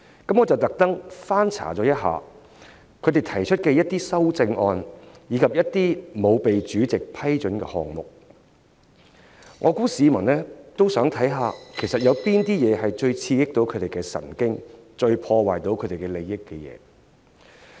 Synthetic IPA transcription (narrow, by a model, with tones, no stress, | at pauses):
kɐ˨˥mŋɔː˨˧t͡sɐ˨wt̪ɐ˨k̚t̪ɐ˥ŋfaː˥nt͡sʰa̰ː˨˩t͡sɔː˨˥jɐ˥t̚ɦa̰ː˨˩ | kʰɵ˨˧ɥt̪e˨˩jt̪ʰɐ˨˩jt͡ʃʰɵ˥t̚kɛː˧jɐ˥t̪̚iː˥sɐ˥wt͡sɪ˧ŋʔɔː˧n | jiː˨˧kʰɐ˨p̚jɐ˥t̚t̪iː˥mo˨˧wpe˨jt͡ʃyː˨˥t͡sɪ˨k̚pʰɐ˥jt͡ʃɵ˨˥nkɛ̰ː˧hɔ̰ː˨ŋmʊ̰˨˩k̚ | ŋʔɔː˨˧kuː˨˥siː˨˧mɐ˨˩nlɛː˥t̪o˥wsœː˨˥ŋt̪ʰɐ˨˥jɦaː˨˧kʰe˨˩jsɐ˨t̚jɐ˨˧wpiː˥nt̪iː˥jɛː˨˧hɐ˨jt͡ʃɵ˧ɥt͡sʰiː˧jɪ˥k̚t̪o˨˥wkʰɵ˨˧t̪e˨jkɛ˧sɐ̰˨˩nkɪ˥ŋt͡ʃɵ˧ɥpʰɔː˧waː˨jt̪o˨˧wkʰɵ˨˧ɥt̪e˨jkɛ˧le˨jɪ˥kːɛ˧jɛ̰ː˨˧